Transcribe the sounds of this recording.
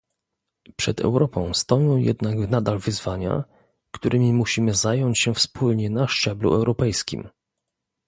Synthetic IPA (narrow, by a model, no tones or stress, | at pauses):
pʂɛd̪ɛ̰wɾɔpɔ̰̃w̃st̪ɔjɔ̃w̃jɛ̰d̪naɡnad̪alvɘzvaɲa̰ | kt̪uɾʔɘmʲimuɕimɘzajɔɲt͡ɕɕɛfspʰulɲɛnaʂt͡ʂɛblṵʔɛwɾɔpɛjskʲḭm